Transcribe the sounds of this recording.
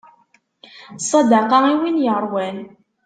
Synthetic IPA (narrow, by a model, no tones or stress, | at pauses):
sˤːɑd̪ɑqɑiwinjəɾˤwæn